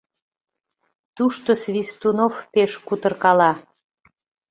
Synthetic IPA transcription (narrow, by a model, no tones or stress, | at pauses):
t̪uʃt̪osβist̪unofpeʃkut̪ərkɑlɑ